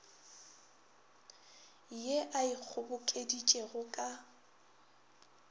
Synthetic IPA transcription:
jeʔaɪk͡xʰʊbʊkʼedit͡ʃʼeɣʊkʼa

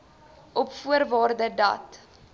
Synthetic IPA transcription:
ʔɔpfuərvɑːrdədɐ̰t

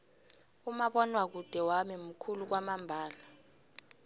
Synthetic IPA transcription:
umaɓɔnwak̬ud̥ʱɛwamim̩kʰuluk̬wamambʱaːla

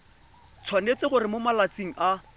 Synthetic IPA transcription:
t͡sʰwanet͡sɪχʊrɪmomalat͡siŋ̩ʔa

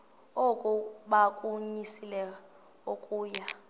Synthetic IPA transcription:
ɔkʼuɓakʼuɲisilɛ | okʼuːja

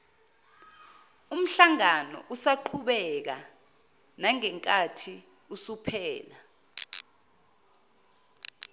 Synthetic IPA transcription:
um̩ɬaŋanɔ̰ʔusaǃʰuɓɛk̬a | naŋɛŋkʼatʰi | usupʰɛːla

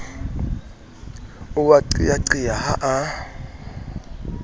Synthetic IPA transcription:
ʊwaǀḭaǀijahaʔa

